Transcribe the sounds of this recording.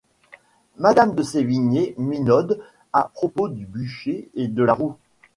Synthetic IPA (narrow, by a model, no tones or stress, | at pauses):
mad̪amd̪əseviɲeminɔd̪ | apχɔpod̪ybyʃeed̪əlaʁu